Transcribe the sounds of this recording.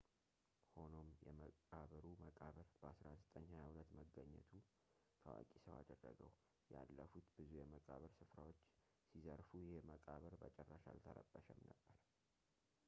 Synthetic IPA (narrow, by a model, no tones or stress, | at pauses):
ho̞no̞mjɛməkʼaβəɾuməkʼaβəɾb̥əasɾazɨt̪ʼəɲːhajahulət̪məɡːəɲːɛt̪ʰu | t̪ʰəwa̰kʼisəwad̪ərːəɡəw | jalːəfut̪bɨzujɛməkʼaβəɾsɨfɾawo̞t͡ʃː | sizəɾfujɪheməkʼaβəɾbət͡ʃʼɛrːaʃa̰lt̪ʰəɾəbːəʃəmnəb̥ːəɾ